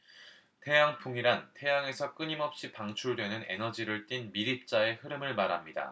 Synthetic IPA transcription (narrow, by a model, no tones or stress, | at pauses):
tʰe̞jaŋpʰuŋiɾantʰe̞jaŋe̞sʰʌk͈ɯɲimʌp̚ɕ͈ipaŋt͡ɕʰuɭdwe̞nɯne̞̰nʌd͡ʑiɾɯɭt͈inmiɾip̚t͡ɕ͈ae̞hɯɾɯmɯɭmaɾɦamɲida̰